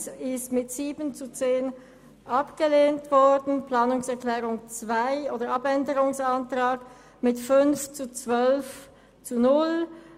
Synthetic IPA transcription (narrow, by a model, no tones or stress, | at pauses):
sɪstmɪtz̥iːbənt͡sut͡seːn | ʔapɡ̥əleːntv̥ɔɐdn̩plaːnʊŋsɛɐklɛːʁʊŋt͡sv̥aɪoːdəapɛndəʁʊŋsantʁ̥aːk | mɪtfʏnft͡sut͡sv̥œlf | t͡sunʊl